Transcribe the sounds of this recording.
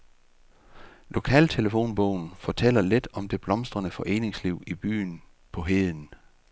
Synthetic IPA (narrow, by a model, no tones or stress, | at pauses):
lʔo̝kʰɛ̰ːlt͡sʰe̝ləfo̝̰ːnb̥ɔʊ̰n̩fɒ̽t͡sʰel̰ɐled̥ɒ̽md̥e̝b̥lɒ̽msd̥ʁɐnəfɒ̽ʔe̝̰ːne̝ŋsliʊ̰ib̥y̰ːn̩ | pʰɒ̽ɦe̝ðˠn̩